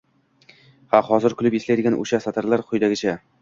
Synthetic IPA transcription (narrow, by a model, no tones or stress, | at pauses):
hahɒzɪɾkʰʊlˠɪpeslajd̪ɪɡʲanʔo̰ʃasat̪ʰaɾlaɾqʰʊjd̪aɡʲɪt͡ʃʰa